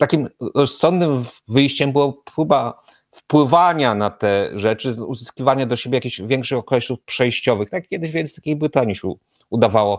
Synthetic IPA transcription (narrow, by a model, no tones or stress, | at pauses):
t̪akʲimɾɔssɔnd̪nɘmvɘjɕt͡ɕɛmbɘwapɾuba | fpwɘvaɲanat̪ɛʐɛt͡ʂɘṵzɘskʲivaɲad̪ɔɕebʲjɛjakʲiɕvʲjɛŋkʂɘxɔkɔɛɕufpʂɛjɕt͡ɕɔvɘxt̪aak̚kʲjɛd̪ɘʑvʲɛd̪t̪akʲejbɾɘt̪aɲiɕɛ | ud̪avawɔ